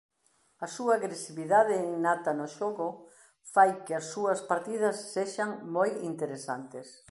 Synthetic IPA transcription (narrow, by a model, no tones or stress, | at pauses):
ɐsuɐːɣɾesiβiðaðɪːŋnat̪anʊʃoɣʊ | fajkɪɐsːuɐspaɾt̪ið̞ɐsːeʃaŋmojint̪eɾesant̪es